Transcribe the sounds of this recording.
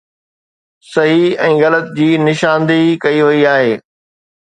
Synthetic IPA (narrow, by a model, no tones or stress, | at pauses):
sɐɦiɛ̃ːɣɐlət̪d͡ʑiːnɪʃãːnd̪ikɐiʋɐiaːɦeː